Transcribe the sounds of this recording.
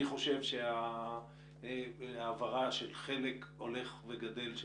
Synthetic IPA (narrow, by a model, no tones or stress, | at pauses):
iχo̞ʃe̞vʃea | aːvaʁaʃelχe̞leko̞le̞χveɡad̪e̞lʃ